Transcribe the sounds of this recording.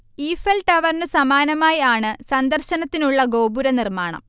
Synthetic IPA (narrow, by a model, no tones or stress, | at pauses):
iːfɐlʈɐʋɐrnɨsɐmaːnɐmaːjaːɳɨsɐnd̪ɐrɕɐnɐt̪ːinuɭːɐɡo̞ːbuɾɐnirmaːɳɐ̰m